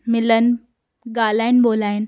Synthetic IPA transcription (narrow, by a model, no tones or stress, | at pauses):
mɪlən | ɡaːlainboːlaːin